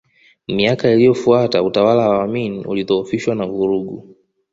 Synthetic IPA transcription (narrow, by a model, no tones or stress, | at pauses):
miakailijɔfuatautawalawaːminiṵliðɔːfiʃwanavuɾuɠu